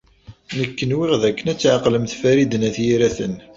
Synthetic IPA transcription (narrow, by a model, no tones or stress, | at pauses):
nəkːənwɪʁðækːənæt͡sːʕaqləmθfæɾid̪ənæθjiɾæθən